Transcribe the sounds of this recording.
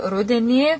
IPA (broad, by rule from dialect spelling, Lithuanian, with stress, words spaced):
ˈrʊdʲɛnʲiː